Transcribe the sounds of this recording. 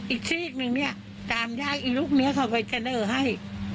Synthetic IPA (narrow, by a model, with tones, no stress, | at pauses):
ʔiː˨˩k̚sʰi˧wi˧˩t̪̚nɯ˧ŋni˦˥˩ɐ | t̪aː˧mjaː˥˩k̚ʔiː˨˩k̚luː˥˩k̚ni˦˥ɐkʰa˧˩wpa˧jt͡ɕa˧nɤː˧˩ɦa˥˩j